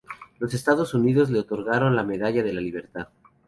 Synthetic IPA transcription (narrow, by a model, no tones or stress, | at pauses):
lo̞se̞st̪aðo̞suniðo̞zle̞ot̪o̞ɾɣaɾo̞nlame̞ðaʝaðe̞laliβ̞e̞ɾt̪að